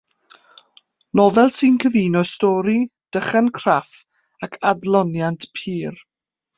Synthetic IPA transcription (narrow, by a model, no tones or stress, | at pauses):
nɔːðɛlˠsɨnkʰəviːnɔstɔːɾid̥əχɛnkʰraf | akʰadlˠɔnjantʰpʰiːr